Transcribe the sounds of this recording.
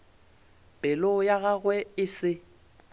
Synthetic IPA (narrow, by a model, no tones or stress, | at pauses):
b̥ʼɛlojaɣaɣwɛɪsɪ